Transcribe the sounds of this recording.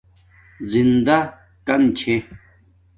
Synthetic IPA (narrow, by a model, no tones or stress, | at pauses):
zind̪ɐ | kɐmt͡ɕʰe